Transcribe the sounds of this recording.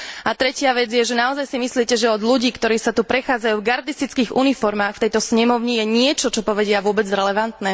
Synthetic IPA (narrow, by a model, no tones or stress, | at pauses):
at̪ɾɛcɪaʋɛd͡zjɛʒɛnaɔzajsimisliɛcɛʒɛɔd̪ʎuɟiːkt̪ɔɾiːsat̪upɾɛxaːd͡zajuːvɡaɾd̪ist̪it͡skiːɣṵnifɔɾmaːxft̪ɛjt̪ɔsɲɛmɔʊɲijɛɲɪɛt͡ʃɔt͡ʃɔpɔʋɛɟɪaʋʊɔbɛd͡zɾɛlɛʋant̪nɛ